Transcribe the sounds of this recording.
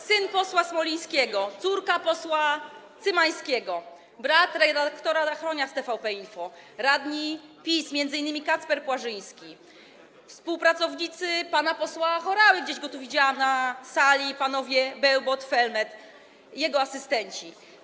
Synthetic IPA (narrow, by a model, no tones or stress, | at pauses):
sɘnpɔswasmɔlʲij̃skʲɛɡɔt̪suɾkapɔswat̪sɘmaj̃skʲɛɡɔ | bɾat̪ɾɛd̪akt̪ɔɾazaxɾɔɲast̪ɛfawpɛjfɔ | ɾad̪ɲipʲismʲjɛnd̪zɘinːɘmʲikat̪spɛɾpwaʐɘj̃skʲi | fspuwpɾat̪sɔvɲit̪sɘpanapɔswaxɔɾawɘɡd͡ʑeʑɡɔt̪uvʲid͡ʑaamnasalʲipanɔvʲjɛbɛwbɔt̪fɛlmɛt̪ | jɛɡɔasɘst̪ɛɲt͡ɕi